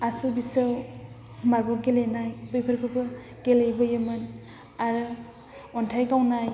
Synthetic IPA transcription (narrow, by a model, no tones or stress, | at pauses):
asubisɯw | maɾbɔpɡelenajbɯjpʰɯɾkʰɯbɯ | ɡ̥elejbɯjɯmɯn | aɾɯ | ɔntʰajɡawnaj